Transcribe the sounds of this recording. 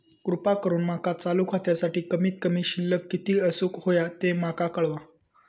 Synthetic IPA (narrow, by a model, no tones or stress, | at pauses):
kɾupakəɾuːnmakat͡salukʰat̪jasaʈiːkəmiːt̪̚kəmiːɕilːəkːit̪iːəsuːkhojat̪emakakəɭʋã